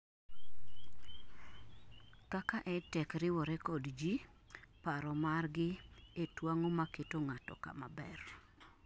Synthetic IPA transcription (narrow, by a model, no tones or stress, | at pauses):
kakaʔɛtɛkɾɪwɔɾɛkɔdd͡ʒi | paɾɔmarɡɪetwaŋomaketoŋatɔ̰ka̰mabɛr